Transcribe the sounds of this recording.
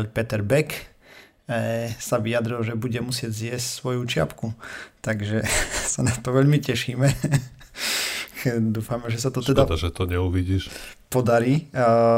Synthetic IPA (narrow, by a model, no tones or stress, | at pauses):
ʎpɛt̪ɛɾbɛk | saʋijad̪ɾilˠʒɛbuɟɛmusɪɛɟzjɛscsʋɔjut͡ʃɪa̰pkut̪aɡʒɛsanat̪ɔʋɛʎmicɛʃiːmɛ | d̪uːfamɛʒɛsat̪ɔt̪ɛd̪ɛad̪aʒɛt̪ɔɲɛuʋiɟiːʃpɔd̪aɾiː